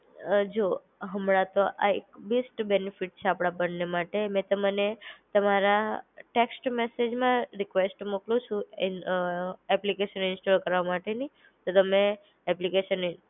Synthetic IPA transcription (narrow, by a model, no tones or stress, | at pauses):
d͡ʒo | ɦəmɽãt̪oʔaekbisʈbenifiʈ̚t͡ʃʰeapɽ̃abənːemaʈemɛ̃t̪əmənet̪əmaɾaʈeksʈmesed͡ʒmãɾikʋesʈmuklũt͡ʃʰũ | ɛplikeʃənɪnsʈolkəɾʋamaʈeni | t̪ot̪əme | ɛplikeʃən